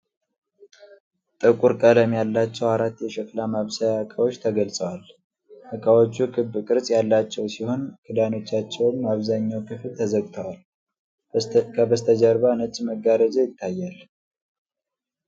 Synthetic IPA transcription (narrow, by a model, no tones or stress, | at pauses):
t̪ʼɨkʼuɾkʼələmjalːat͡ʃːɛwaɾat̪ːjɛʃɛklamaβsajakʼəwot͡ʃːt̪ʰəɡəlsʼəwal | ʔəkʼawo̞t͡ʃːukʰɨbkʼɨɾsʼjalːat͡ʃːɛwsiho̞nkʰɨd̪ano̞t͡ʃːat͡ʃːɛwɨmːaβzaɲːawkʰɨflt̪ʰəzəɡt̪ʰəwal | kʰəbəst̪ʰəd͡ʒəɾbanət͡ʃʼːməɡaɾəd͡ʒajɪt̪ʰːajːal